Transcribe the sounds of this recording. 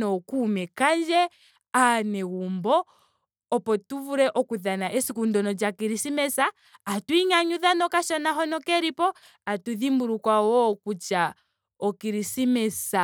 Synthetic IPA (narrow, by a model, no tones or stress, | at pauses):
ɔkumɛkand͡ʒɛ | anɛɣumbɔ | ɔpɔtuvuɾɛʔɔkuðanaʔɛsikundɔnɔd͡ʒakiɾisimɛsaː | twiɲaɲuðanɔkaʃɔnaɦɔnɔkɛɾipɔ | atuðimbuɾukwawɔːkut͡ʃa | ɔkiɾisimɛsa